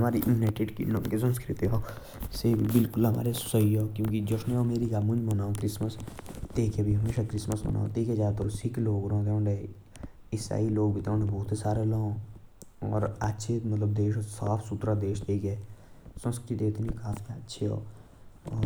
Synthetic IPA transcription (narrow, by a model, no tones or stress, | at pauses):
ɦɐmaːɾiʔɪmneʈeɖkḭnoːmkes̬ə̃nskɾit̪iɦoː | sebʱibɪlkʊlɦɐma̰ːɾe̥səɦioːkjõːkid͡ʒosneɔːmeːɾiɡamʊ̃nd͡ʒmɐnaːõkɾɪsməst̪eːkʰebʱiɦɐmeːʃakɾɪsməsmɐ̰nʔa̰ːõ̰t̪eːked͡ʒaːt̪ɔ̰ɾsikloːɡɾoɦõt̪ẽɖe | ɪsa̰ːiloːɡbʱit̪eõnebɔːt̪esaːɾelõ | ɔːɾətːʃʰemɐt̪ləb̚d̪eːʃosaːpʰsʊt̪ɾad̪eːʃt̪eːkɛːsə̃nskɾit̪eɪt̪nĩkaːfʰiɐtːʃʰeɦo̰ː | ɔː